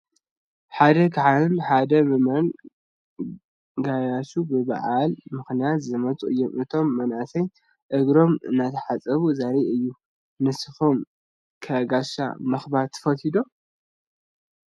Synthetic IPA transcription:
ħad̪ɐkʰaʕaɨnħad̪ɐbɨmɐn | ɡajaʃubɨβa̰ʕalmɨxnijat̪zɨmɐt͡sʼuʔɨjːomʔɨt̪ʰo̞mːɐnasɐj | ʔɨɡɾo̞mɨ̰nːat̪ʰɐħat͡sʼɐβuzaɾiɨjːu | nɨsɨfo̞m | kʰɐɡaʃa̰mɐxbaɾt̪ʰːɨ̥fɐt̪ʰid̪o̞

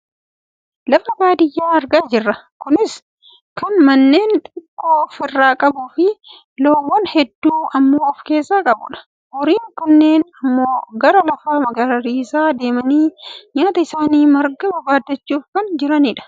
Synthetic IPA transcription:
lɐfɐbaːd̪ɪjːaːɐɾɡaːd͡ʒɪrːɐkʊnɪs | kɐnmɐnːe̞ːnt̪ʼɪkʼːoːfɪrːaːkʼɐbʊfɪ | loːwːɔnhɛd̪ːuːɐmːo̞ːɔfke̞ːsːaːkʼɐbʊ̰ᶑɐ̥ | hɔɾiːŋkɐnːe̞ːnɐmːo̞ːɡɐɾɐlɐfaːmɐɡɐɾɐɾiːsaːd̪e̞ːmɐniːɲaːt̪ɐɪsaːniːmɐɾɡɐbɐbaːd̪ɐt͡ʃːuːfkɐnd͡ʒɪɾɐnɪᶑɐ̥

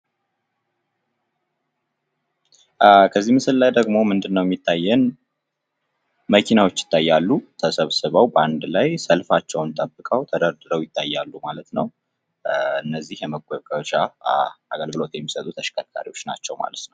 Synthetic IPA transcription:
kʰəzːimɨsɨllajd̪əɡmo̞mɨnd̪ɨnːəwjɛmjit̪ʰːajːɛn | məkʰinawo̞t͡ʃːjɪ̥t̪ʰːajːalːut̪ʰəsəβsɨβəwbəand̪lajsəlfat͡ʃːɛwnt̪ʼəbːɨkʼəwt̪ʰəd̪əɾd̪ɨɾəwjɪt̪ʰːajːalːumalət̪nəw | ɨnːəzːihjɛməɡəkʼət͡ʃaaɡəlɡɨlo̞t̪jɛmːisət̪ʼut̪ʰəʃkʰakʰa̰ɾiwo̞t͡ʃːna̰t͡ʃːɛwma̰lət̪nəw

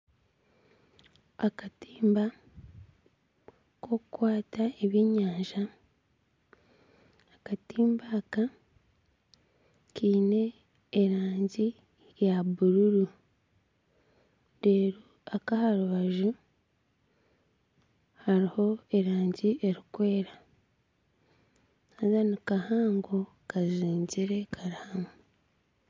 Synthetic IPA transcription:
akatiːmba | ko̞kukwaːtaeβiɲaːnʒa | katiːmbaːka | kiːne̞ː | ɾaːɲɟi | jaβuɾuɾu | deːɾu | akahaɾuβaʒu | haɾiho̞e̞ɾaːɲɟiʔe̞ɾikwe̞ːɾa | azanikahaːŋɡo̞ | kaziːɲɟiɾe̞kʰaɾihamu

